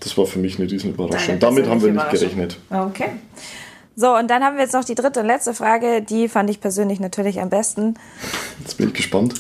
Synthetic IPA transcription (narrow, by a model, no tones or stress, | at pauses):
d̥asv̥aːɐfyːɐmɪçnəʁiːzn̩yːbɐʁa̰ʃʊŋd̥amɪthaːbm̩viːɐnɪçtɡ̥əʁɛçnətaokʰe | zoːʊntd̥anhaːbmviːɐjɛt͡snɔχd̥iːdʁɪtəʊntlɛt͡stəfʁ̥aːɡədiːfandəɪçpʰɛɐzøːnlɪçnatʰyːɐlɪça̰mbɛstn̩ | jɛt͡sb̥ɪ̰nɪçɡ̥əʃpant